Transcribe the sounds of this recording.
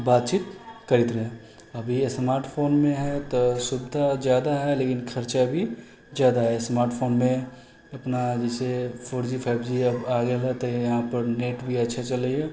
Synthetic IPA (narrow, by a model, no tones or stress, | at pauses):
baːt̪̚t͡ʃiːt̪kɐɾɪt̪ɾɐɦẽ | ɐbʱismaːɾʈpʰoːnmẽɦɛt̪osʊbɪd̪ʱad͡ʒjaːd̪aɦɛleːkɪnkʰɐɾt͡ʃabʱi | zjaːd̪aɦɛsmaːɾʈpʰoːnmẽ | ɐpnad͡ʒɛːsepʰoːɾd͡ʒipʰaːbd͡ʒiɐbaːɡelat̪ojɐɦãpəɾneːʈbʱiɐtːʃʰat͡ʃɐləiɦɛː